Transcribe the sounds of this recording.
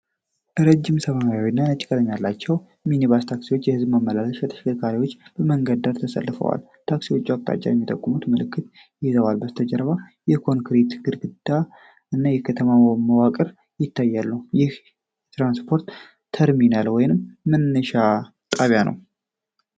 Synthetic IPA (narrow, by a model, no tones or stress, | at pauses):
ʔɾəd͡ʒːɪmsəβaŋɡajwonːanət͡ʃʼɪkʼət̪əɲːalːat͡ʃːɛw | miniβast̪ʰaksiwo̞t͡ʃːjɛhɨzbmamːəlaləʃat̪ʰə̥ʃəkɨkʰaɾiwo̞t͡ʃːb̥əməŋɡəd̪əɾt̪ʰəsə̰lːɨfə̰wa̰l | t̪ʰaksiwo̞t͡ʃːuaβt̪ʼa̰t͡ʃʼːa̰jɛmːit̪ʼəkʼːumut̪mɨlɨkʰːɨt̪ | jɪzəwalbəst̪ʰəd͡ʒəɾβajɛkʰo̞ŋkʰɾet̪ɡ̥ɨɾɡɨd̪̥a | ʔɨnːajɛkʰət̪ʰəmamːəwakʼɨɾ | jɪt̪ʰːajːalːəwjɪh | t̪ɾanspʰo̞ɾt̪ːʰ | əɾminalwɔjɪnɨmːənːəʃa | t̪ʼaβjanʔə̰w